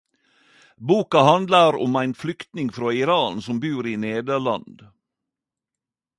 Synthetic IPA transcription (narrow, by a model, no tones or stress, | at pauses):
buːkɑhɑnd̪lɑɾʊ̰mæɪnflʏkt̪nɪŋfɾoːɪɾɑːnsɔmbʉːɾiːneːd̪əɭɑ̰nd̪